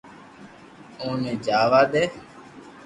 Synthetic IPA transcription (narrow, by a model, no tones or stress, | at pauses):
õːneːd͡ʒaːʋaːd̪eː